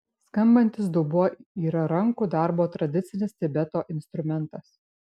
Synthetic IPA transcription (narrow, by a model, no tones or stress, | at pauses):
skɐmbɐnʲt̪ʲɪs̬d̪ʊbʊoiːɾɐɾɐŋkuːd̪ɑˑɾboːt̪ɾɐd̪ʲɪt̪sʲɪnʲɪst̪ʲɪbʲɛt̪oːʔɪnst̪ɾʊmʲɛnˑt̪ɐs